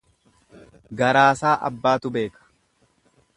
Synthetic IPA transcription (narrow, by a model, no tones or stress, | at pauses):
ɡɐɾaːsaːʔɐ̰bːaːt̪ʊbe̞ːkɐ̥